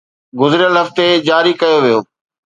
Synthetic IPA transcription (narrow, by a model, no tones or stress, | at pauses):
ɡʊzɪɾɪjəlɦɐft̪ed͡ʑaːɾikɐjoʋijoː